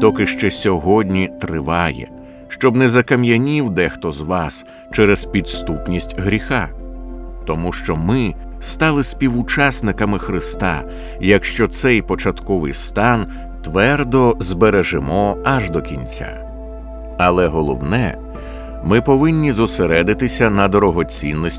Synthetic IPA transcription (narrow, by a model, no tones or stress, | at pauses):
t̪ɔkɪʃt͡ʃɛsʲɔɦɔdʲnʲit̪ɾɪʋɑjɛ̰ | ʃt͡ʃɔbnɛzɐkɐmjɐnʲiwd̪ɛxt̪ɔzʋɑs | t͡ʃɛɾɛzpʲid̪st̪upnʲisʲtʲɦɾʲixa | t̪ɔmuʃt͡ʃɔmɪ | st̪ɑlˠɪsʲpʲiwʊt͡ʃɑsnɪkɐmɪxɾɪst̪ɑ̰ | jɐkʃt͡ʃɔt̪sɛjpɔt͡ʃɐt̪kɔʋɪjst̪ɑn | t̪ʋɛrd̪ɔzbeɾɛʒɪmɔɐʒd̪ɔkʲinʲt͡sʲa̰ | ɐlˠɛɦɔlˠɔ̰wnɛ | mɪpɔʋɪnʲːizʊseɾɛd̪ɪt̪ɪsʲɐnɐd̪ɔɾɔɦɔt͡sʲinːɔsʲ